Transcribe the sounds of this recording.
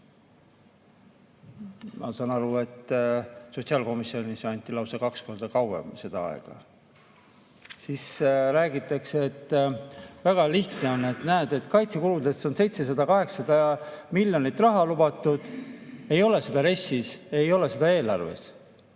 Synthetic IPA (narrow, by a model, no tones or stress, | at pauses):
mʔɑ̰sɑːnɑɾue̞t̪ːso̞t̪ʲsiɑːlko̞misːio̞nʲisɑnʲt̪ːˑilɑwsekɑksko̞rd̪̥ɑkɑwḛmse̞d̪̥ɑɑ̰ḛɡ̥ɑ̰ | sisɾæːɡit̪ːˑɑkset̪ː | væɡ̥ɑliht̪neo̞nːe̞t̪næed̪̥e̞t̪ˑkɑjt̪sikuɾuld̪est̪o̞nse̞jt̪se̞s̬ɑd̪ɑkɑɦe̞ksɑd̪ɑmilʲjo̞nit̪ːˑrɑɦɑlubɑt̪ːˑud̪̥e̞jo̞le̞se̞d̪̥ɑɾe̞sːise̞jo̞le̞se̞d̪ɑe̞ːlɑrve̞̰s